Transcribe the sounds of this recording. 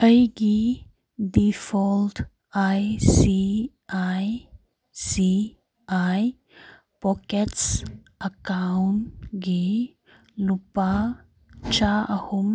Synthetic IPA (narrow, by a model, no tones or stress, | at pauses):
əjɡi | ɖifɔlʈ | ajsi | aj | si | aj | pɔkets | əkawnʈɡe | lupa | t͡ɕaəhum